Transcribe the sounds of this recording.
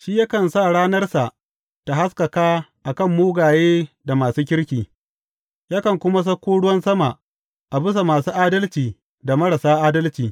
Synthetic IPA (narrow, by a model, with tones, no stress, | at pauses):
ʃiː˦ja˦kɐ˨nsa˦˨ɽaː˦nɐ˦rsa˨ʔ | ta˨ɦa˦skɐ˨kaː˦ʔa˨kɐ˦˨mːuː˦ɡaː˨jeː˦da˨maː˨suː˦kʲɪ˦ɽkʲiː˨ | jaː˦kɐ˨ŋkʷʊ˦ma˦s̬ɐ˦kʷːuː˦ɽʊ˦wɐ˦nsɐ˦ma˨ʔ | ʔa˨bɪ˦s̬a˨maː˨suː˦ʔaː˦dɐ˦lt͡ʃiː˨ | da˨mɐ˦ɽa˨saː˦ʔaː˦dɐ˦lt͡ʃiː˨